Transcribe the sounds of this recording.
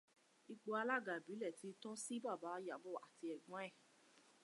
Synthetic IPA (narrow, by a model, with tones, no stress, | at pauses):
i˧ɡ͡bo˧a˧la˦˨ɡa˨bi˨˦lɛ˦˨ti˨˦tɔ̃˦si˦ba˦˨ba˨˦˧ja˨bɔ˦˨a˨ti˧ɛ˨ɡ͡bɔ̃˨˦ɛ˦˨